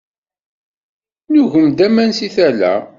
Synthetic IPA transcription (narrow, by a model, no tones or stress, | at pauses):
nuʝəmd̪æmænsiθælæ̰